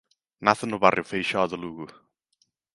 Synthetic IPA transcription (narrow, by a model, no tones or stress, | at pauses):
naθənobarjɪwfejʃɔðəlˠuːɡu